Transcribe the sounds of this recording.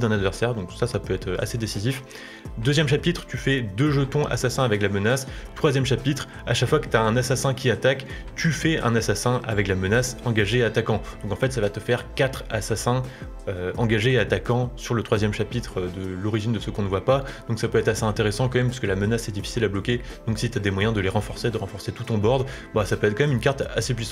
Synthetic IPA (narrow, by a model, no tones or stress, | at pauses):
d̪ɛ̃nad̪vɛʁsɛʁd̪ɔ̃ksasapøɛt̪χøa̰sed̪esizif | d̪øzjɛmʃapit̪χt̪yfɛd̪øʒət̪ɔ̃ʔa̰sasɛ̃avɛklamənast̪χwazjɛmʃapit̪χ | aʃakfwakə̥t̪yaɛ̃nasasɛ̃kʲiat̪ak | t̪yfɛʔɛ̰̃nasasɛ̃ʔa̰vɛklamənasɑ̃ɡaʒeːat̪akɑ̃d̪̥ɔ̃kɑ̃fɛt̪savat̪əfɛʁkat̪χasasɛ̃ | øɑ̃ɡaʒeːat̪akɑ̃syʁlət̪χwazjɛmʃapit̪χød̪əlɔʁiʒind̪əsəkɔ̃nəvwapad̪̥ɔ̃ksapøɛt̪χaseɛ̃t̪eʁesɑ̃kɑ̃mɛmpɥiskəlamənasɛd̪ifi̥silablɔkʲed̪̥ɔ̃ksit̪yad̪emwajɛ̃d̪əleʁɑ̃fɔʁsed̪əʁɑ̃fɔʁset̪ut̪ɔ̃bɔʁd̪ | basapøɛt̪χkɑ̃mɛmynkaʁt̪asepɥisɑ̃t̪